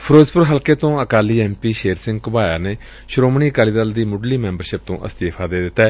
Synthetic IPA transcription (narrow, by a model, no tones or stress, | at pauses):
pʰɾoːd͡ʒpʊɾɦəlkeːt̪õːəkaːliːɛːmpiːʃeːɾsɪ̃ŋɡkʊbaːjaːneː | ʃɾoːmɳiːəkaːliːd̪əld̪iːmʊɖliːmɛ̃ːmbəɾʃɪp̚t̪õ̰ːʔə̰st̪eːpʰaːd̪eːd̪ɪt̪ːɛː